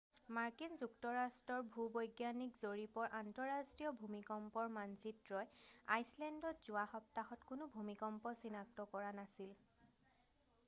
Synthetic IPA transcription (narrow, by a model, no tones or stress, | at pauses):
maɹkinzuktɔɹastɹɔɹbʱubɔjɡjanikzoɹipɔɹʔantɔɹastɹiɔbʱumikɔmpɔɹmansitɹɔjajslɛndɔtz̥ʊaxɔp̚taxɔtkʊnʊbʱumikɔmpɔsinak̚tɔkɔɹanasil